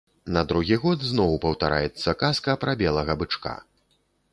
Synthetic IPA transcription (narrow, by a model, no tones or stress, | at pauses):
nɐd̪ɾuɣʲiɣɔd̪znɔwpɐwt̪aɾa̰jɛt̪sːɐkaskɐpɾabʲɛlˠɐɣɐbɨt͡ʂka̰